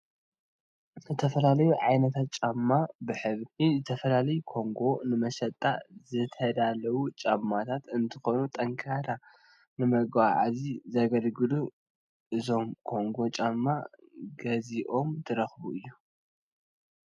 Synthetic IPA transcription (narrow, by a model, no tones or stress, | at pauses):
zɨt̪ʰɐfɐlalɐjuʕajnɐt̪ʰat̪̚t͡ʃʼamːabɨħɨβizɨt̪ʰɐfɐlalɐjukʰo̞ŋɡo̞nɨmɐʃɐt̪ʼːazɨt̪ʰɐd̪alɐwut͡ʃʼamːat̪ʰat̪ɨnt̪ʰɨxo̞nut̪ʼɐŋkʰaɾa | nɨmɐɡaʕazizɐɡɐlɡɨlu | ʔɨzo̞mkʰo̞ŋɡo̞t͡ʃʼamːa | ɡɐziʔo̞mt̪ʰɨɾɐxβuʔɨjːu